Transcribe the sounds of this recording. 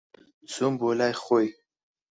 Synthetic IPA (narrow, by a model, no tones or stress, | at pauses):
t͡sumbolajχoj